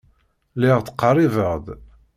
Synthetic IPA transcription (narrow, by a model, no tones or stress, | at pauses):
lɪʁθə̥qːərˤivəʁd̪